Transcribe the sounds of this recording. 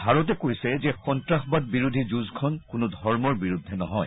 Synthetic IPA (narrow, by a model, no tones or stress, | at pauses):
bʱaɹɔtɛkojsɛzɛxɔntɹaxbad̚biɹud̪ʱid͡ʒuzkʰɔnkʊnʊdʱɔɹmɔɹbiɹud̪ʱːɛnɔ̰ɦɔj